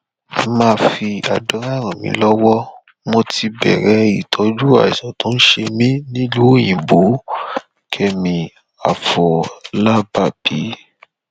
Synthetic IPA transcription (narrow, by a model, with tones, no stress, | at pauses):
mãː˧fi˧a˨dɔ˨˦ɾa˦˨ɾ̃ã˨mḭ̃˧˦lɔ˦wɔ˦ | mo˧ti˧bɛ̰˨ɾɛ˨˦i˨tʰɔ˨˧d͡ʒu˦a̰˨i˨sã˨tõ˨˦n̩˦ʃe˧mĩ˦nĩ˦lu˦o˦˨j̃ĩ˨bo˨˦ | kʰɛ˧mĩ˧ | a˨fɔ˨la˦ba˦˨b̥i˨˦